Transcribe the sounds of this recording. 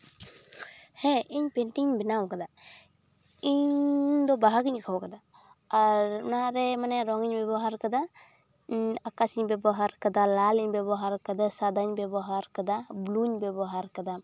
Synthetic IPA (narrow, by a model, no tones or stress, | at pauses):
hɛ̃iɲpɛɳʈiŋɲbɛnawkad̪a | iɲd̪ɔbaɦaɡiɲkʰawkad̪aː | ɾnaɾɛmanɛɾɔŋɡiɲbɛbɔɦaɾkad̪a | akasiɲbɛbɔɦaɾkad̪alaliɲbɛbɔɦaɾkad̪asad̪ʱaɲbɛbɔɦaɾkad̪abluɲbɛbɔɦaɾkad̪a